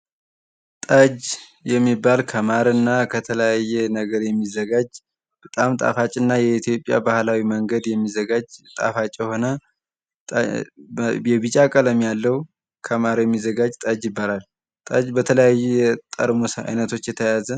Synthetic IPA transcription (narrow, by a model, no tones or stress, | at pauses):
t̪ʼəd͡ʒjɛmːibːalkʰəmaɾɨnːakʰət̪ʰələjajːɛnəɡəɾjɛmːizːəɡad͡ʒ | b̥ət̪ʼamt̪ʼa̰fat͡ʃʼːɨnːajɛit̪ʰijo̞pʼːja̰bahlawiməŋɡəd̪jɛmːizəɡad͡ʒt̪ʼa̰fat͡ʃʼjɛho̞nə | jɛβɨt͡ʃʼakʼələmjalːəw | kʰəmaɾjɛmːizəɡad͡ʒt̪ʼəd͡ʒjɪbːalal | t̪ʼəd͡ʒbət̪ʰələjajːujɛt̪ʼəɾmosa̰jnət̪ʰo̞t͡ʃːjɛt̪ʰəjazə